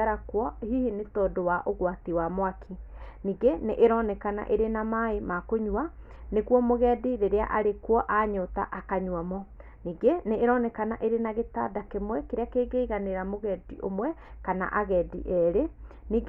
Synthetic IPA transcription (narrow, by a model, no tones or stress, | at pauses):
aɾakwɔhihinetɔdowaʔoɣwatiwamoakʰiniːɡeneʔeɾɔnɛkana̰ʔeɾenamaemakoɲua | neɣwɔmoɣɛːdiðeɾea̰ʔaɾekwɔʔaɲota̰ʔakaɲwamɔ | niːɡeneʔːɾɔnɛkanaʔeɾenaɣeta̰dakemwɛkeɾeakeːɡeiɣaneɾamoɣɛdiʔomwɛkana̰ʔaɣɛdḭʔɛɾeniːɡ